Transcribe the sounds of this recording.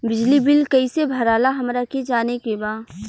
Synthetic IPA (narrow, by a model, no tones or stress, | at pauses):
bɪd͡ʒlibɪlkɐisebʱɐɾaːlaɦɐmɾaked͡ʒaːnekebaː